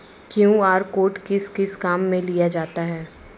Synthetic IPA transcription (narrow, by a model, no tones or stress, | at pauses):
kjõːaːɾkoːʈkɪskɪskaːmːẽlijad͡ʒaːt̪aɦɛː